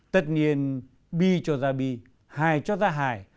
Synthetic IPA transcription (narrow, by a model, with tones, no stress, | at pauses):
t̪ə˨˩t̚ni˧˨ən | ɓi˧˩t͡ɕɔ˧˩zaː˧˩ɓi˧˨ | haː˧˩jt͡ɕɔ˧zaː˧ɦa̰ː˧˩j